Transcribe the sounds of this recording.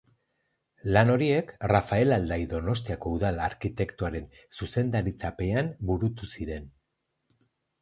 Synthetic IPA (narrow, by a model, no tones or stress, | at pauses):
lano̞ɾie̞krafae̞lald̪aiðo̞no̞st̪iako̞uðalaɾkit̪e̞kt̪uaɾe̞n | suse̞nd̪aɾit͡sape̞ambuɾut̪usiɾe̞n